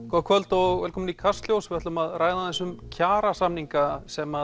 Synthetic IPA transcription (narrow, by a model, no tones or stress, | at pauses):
kʰɔkʰvœlt̪ɔɣɛːlkʰɔːmnikʰast̪ljowsvɪɛht̪maðraːjðanθɛs̬ːʏmcʰaːɾasamniŋkasɛma